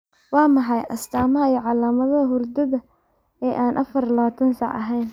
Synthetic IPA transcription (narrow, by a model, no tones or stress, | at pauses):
wɑːmɑħɑjʔɐst̪ʰaːmɐɐjɔʕɑlaːmɐðɐɦʊrd̪ɐðɐ | ɛːʔaːnʔɐ̰fɐrlɐɐt̪ʰɐnsɑʕɐ̰ɦɛjn